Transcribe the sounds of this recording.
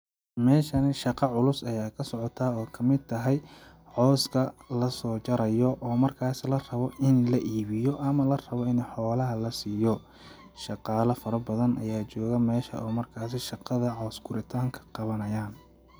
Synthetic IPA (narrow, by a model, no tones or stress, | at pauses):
mɛːʃɐnɪʃɑqɑʕʊlʊsɐjaːkʰɐsɔʕɔt̪ʰaːɔːkʰɐmɪd̪̚t̪ʰɐɦɛj | ħɔːskʰɐlɐsɔːt͡ʃɐɾɐjɔʔɔːmɐrkʰaːsɪlɐrɐβɔʔɪnlɐʔiːβɪjɔʔɐmɐlɐrɐβɔɪnɛjħɔːlɐɦɐlɐsiːjɔ | ʃɑqɑːlɐfɐɾɐbɐðɐnʔɐjaːt͡ʃɔːɣɐmɛːʃɐ̰ʔɔːmɐrkʰaːsɪʃɑqɑðɐʕɔːsɡʊɾɪt̪ʰaːŋkʰɐ̥qɑβɐnɐjaːn